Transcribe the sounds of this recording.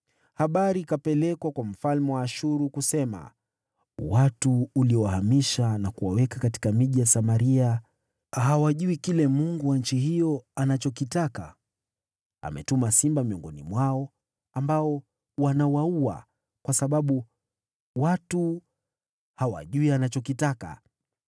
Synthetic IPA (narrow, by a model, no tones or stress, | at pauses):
haɓaɾikapɛlɛkwakwam̩falmɛwaːʃuɾukusɛma̰ | watuːliɔwahamiʃanakuwawɛkakati̥kamiʄijasamaɾia | ɦawaʄuikilɛmuŋɡuwanɲ̩t͡ʃihijɔanat͡ʃɔkitaka̰ | a̰mɛ̰tumasimbamiɔŋɡɔnḭmwaɔ | ambaɔ | wanawaua̰ | kwasaɓaɓu | watu | hawa̰ʄuianat͡ʃɔkitaka̰